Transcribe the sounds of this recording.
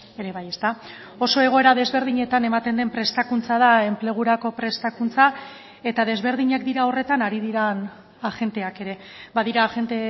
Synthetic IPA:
e̞ɾe̞βaje̞st̪a | o̞so̞e̞ɣo̞e̞ɾaðe̞zβe̞ɾð̞iɲe̞t̪ane̞mat̪e̞nd̪e̞mpɾe̞st̪akunt͡sað̞ae̞mple̞ɣ̞uɾako̞pɾe̞st̪akunt͡sa | e̞t̪aðe̞zβe̞ɾð̞iɲakd̪iɾao̞re̞t̪anaɾiðiɾan | aʝe̞nt̪e̞ake̞ɾe̞βaðiɾaʝe̞nt̪e

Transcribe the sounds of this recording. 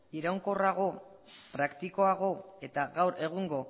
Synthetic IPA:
iɾawŋkoraɣ̞o̞ | pɾakt̪iko̞aɣ̞o̞e̞t̪aɣawɾe̞ɣ̞uŋɡo̞

